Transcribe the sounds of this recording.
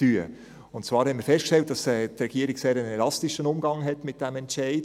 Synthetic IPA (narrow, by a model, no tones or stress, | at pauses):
yə | ʊntt͡svɑːɾhɛnmiːɾfɛstkʃtɛlt̚d̥ɑsɛtrɛɡiəɾɪɡseːɾənɛlɑstiʃənʊmɡɑŋɦɛtmɪt̚d̥ɛmɛntt͡ʃɛɪd